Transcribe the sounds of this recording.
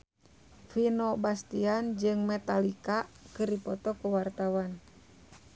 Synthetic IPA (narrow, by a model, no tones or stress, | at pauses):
finɔbast̪iand͡ʒɨŋmɛt̪alikakɨrdipɔt̪ɔkəwart̪awan